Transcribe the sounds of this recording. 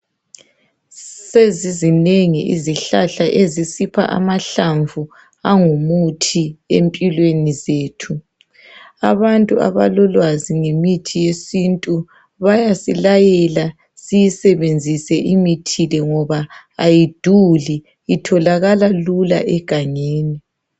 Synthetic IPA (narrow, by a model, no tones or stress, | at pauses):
sezizineŋḭʔḭziɬaɬaʔezisipʰa̰ʔa̰maɬaɱvu | aŋumutʰiempʼilwenizeːtʰu | aβantʼua̰βa̰lɔlwaziŋemitʰijesintʼu | βajasilajɛla | sijisɛβend͡zʱisɛʔimitʰilɛŋɔβaː | jid̥ʱuli | itʰɔlaɣalalula̰ʔɛɡ̥ʱaŋeːni